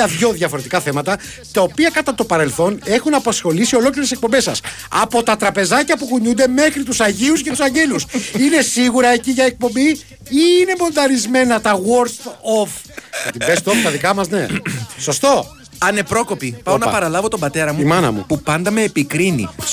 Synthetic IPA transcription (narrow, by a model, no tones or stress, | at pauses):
ɐðʝo̞ðʝɐfo̞ɾe̞t̪ikɐθe̞mɐt̪ɐ | t̪ɐo̞piɐkɐt̪ɐt̪o̞pɐɾe̞lθo̞ne̞xunɐpɐsxo̞lisio̞lo̞kliɾesek̚po̞mbe̞sːɐs | ɐ̰po̞t̪ɐt̪ɾɐpe̞zɐcɐpuɣuɲund̪e̞me̞xɾit̪usɐʝius̬ce̞t̪u̥sɐɲɟe̞lusine̞siɣuɾɐe̞ciʝɐe̞k̚po̞mbi | ine̞bo̞nd̪ɐɾizme̞nɐt̪ɐɣo̞ɾst̪of | ɐt̪ibest̪oft̪ɐðikɐmɐzne̞so̞st̪o̞ | ɐne̞pɾo̞ko̞pipɐonɐpɐɾɐlɐvo̞t̪o̞mbɐt̪e̞ɾɐmuimɐnɐ̰mṵpupɐnd̪ɐmeːpikɾinḭ